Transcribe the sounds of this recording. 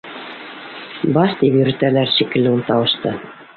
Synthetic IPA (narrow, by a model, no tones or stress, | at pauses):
bɑʃt̪ipjɵ̆ɾɘ̆t̪ælæɾʃikɘ̆lːɘunt̪ɑwɤ̆ʃt̪ɤ